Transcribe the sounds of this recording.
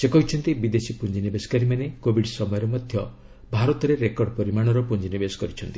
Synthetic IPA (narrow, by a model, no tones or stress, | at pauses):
sekɔɦit͡ʃʰɔnt̪ibid̪esipund͡ʒinibeskaɾimanekobʱiɽsɔmɔjɔɾɔmɔd̪ʱjɔ | bʱaɾɔt̪ɔɾeɾekɔɾɖɔpɔɾimaɽ̃ɔɾɔpund͡ʒinibesɔ̥kɔɾit͡ʃʰɔnt̪i